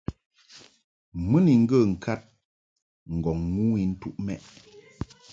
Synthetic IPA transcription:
mɨ˦ni˨ŋ̩˦ɡə˦˨ŋ̩˨kʰa˦t̚ | ŋ̩˨ɡɔ˨ŋːu˦i˦˨n̩˦tu˦ʔmɛ˦ʔ

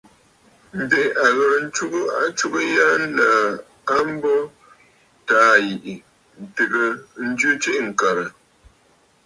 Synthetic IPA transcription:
m̩˨be˨a˨ɣə˨ɾn̩˦t͡ʃu˦ɡo˦a˨t͡ʃu˦ɣə˦ja˦n˦la˨˦ | a˦m̩˦bɔ˦ | taː˦ji˨ʔi˨ | n̩˨tɨ˨ɣə˦˨˦n̩˦d͡ʒu˦t͡ʃe˦ʔŋ̩˨ka˨ɾə˨

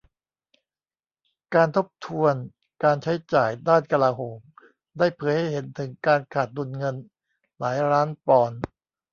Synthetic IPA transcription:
kaː˧nt̪ʰo˦˥p̚t̪ʰu˧ən | kaː˧nt͡ɕʰa˦˥jt͡ɕaː˨˩jdaː˥˩nka˧laː˧ɦoː˩˦m | daː˥˩jpʰɤː˩˦jha˥˩jɦe˩˦nt̪ʰɯ˩˦ŋkaː˧nkʰaː˨˩t̪̚du˧nŋɤ˧n | laː˩˦jɾaː˦˥npɔː˧n

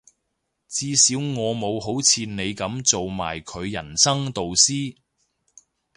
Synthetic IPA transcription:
t͡siː˧siː˨˥wŋɔː˨˧mo˨˧wɦo˨˥wt͡sʰiː˨˧ne˨˧jkɐ˨˥mt͡so˨wma̰ː˨˩jkʰɵ˨˧ɥjɐ˨˩nsɐ˥ŋt̪o˨wsiː˥

